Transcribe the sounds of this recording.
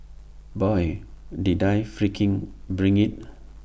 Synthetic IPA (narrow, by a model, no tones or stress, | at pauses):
bɔjdidajfɹikʰĩŋ | bɹĩŋit̚